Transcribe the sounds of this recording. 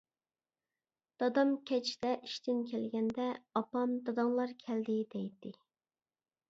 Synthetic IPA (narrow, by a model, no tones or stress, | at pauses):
d̪̥ɑd̪ɑmkʲʰɛt͡ʃʰd̪ɛʔiʃt̪ɪnkʲʰɛlɡʲɛnd̪ɛɑpɑmd̪ɑd̪ɑŋlˠɑɾkʲʰɛld̪ɪd̪ɛjd̪ɪ